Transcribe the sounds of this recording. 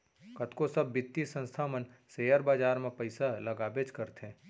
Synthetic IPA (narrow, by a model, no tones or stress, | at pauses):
kət̪kosɐbːɪt̪ːisə̃nst̪ʰaːmənseːjəɾbaːd͡ʒaːɾmẽpəɪsalɐɡaːbet͡ʃkəɾt̪ɛ̃ː